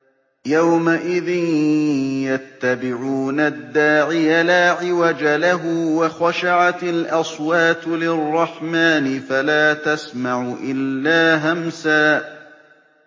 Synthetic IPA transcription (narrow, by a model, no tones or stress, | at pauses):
jawmaʔɪðɪn | jat̪ːabɪʕuːnad̪ːaːʕɪjalaːʕɪwad͡ʒalaɦʊwɑxaʃaʕat̪ɪlʔɑsˤwaːt̪lɪrˤːɑħmaːnɪfalaːt̪asmaʕʊʔɪlːaːɦamsaːʔ